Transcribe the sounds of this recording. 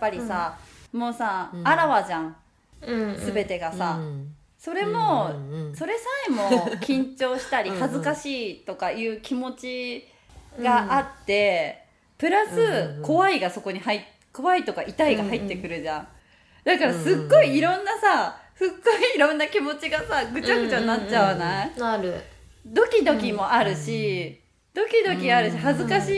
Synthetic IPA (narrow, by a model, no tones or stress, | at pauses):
pːaɾʲisamo̞ːsaaɾaβad͡ʑãŋ̃ | sɨbe̞t̪e̞ɡasa | so̞ɾe̞mo̞so̞ɾe̞saemo̞kʲĩɲ̟t͡ɕo̞ːɕi̥t̪aɾʲihazɨkaɕiːt̪o̞kajɯ̟ːkʲʰimo̞t͡ɕi | ɡaʔat̪ːe̞ | pɯ̟ɾasɨko̞βaiɡaso̞ko̞ɲ̟ihait | ko̞βait̪o̞kaʔit̪aiɡaɦait̪ːe̞kɯ̟ɾɯ̟ʑã | d̪akaɾasɨɡːo̞iːɾõ̞nːasaɸɯ̟ɡːoiːɾõ̞nːakʲimo̞t͡ɕiɡasaɡɯ̟t͡ɕaɡɯ̟t͡ɕanːat͡ɕːaβanai | d̪o̞kʲid̪o̞kʲimo̞aɾɯ̟ɕi | d̪̥o̞kʲid̪o̞kʲiaɾɯ̟ɕiɦazɨkaɕi